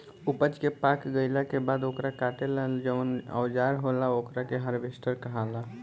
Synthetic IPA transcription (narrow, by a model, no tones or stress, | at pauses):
upət͡ʃkepakɡəɪlakebad̪okɾakaʈelald͡ʒəʋənə̰ʊd͡ʒaɾɦolaokɾakeɦəɾbʱesʈəɾkəɦala